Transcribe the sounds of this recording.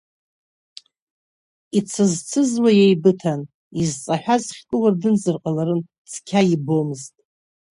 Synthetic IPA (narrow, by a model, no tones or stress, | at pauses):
it͡sʰɨzt͡sʰɨzwajejbɨtʰan | izt͡sʼaħʷᶣazχʲkʷʼɨwardɨnzɨrqʼalaɾɨn | t͡sʰkʲʰaibo̞mɨztʼ